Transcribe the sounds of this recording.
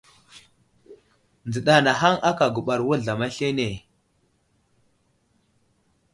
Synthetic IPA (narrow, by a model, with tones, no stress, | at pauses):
nd͡zə˨ɗa˨na˨ɦa˦ŋʔa˦ka˨ɡu˨ɓa˨ɾwu˦ɮa˨ma˦ɬe˦ne˨